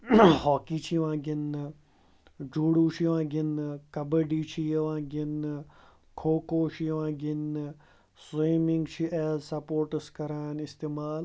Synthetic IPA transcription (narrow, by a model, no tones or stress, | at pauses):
hɔːkiːt͡ʃʰiʋãːɡɪn | d͡ʒuːɽuːt͡ʃʰiʋãːɡɪnkɐbəɖiːt͡ʃʰiʋãːɡɪn | kʰoːkoːt͡ʃʰiʋãːɡɪn | seːmɪ̃ŋɡt͡ʃʰiʔɛːzsɐpoːɾʈəskɐɾaːnɪst̪eːmaːl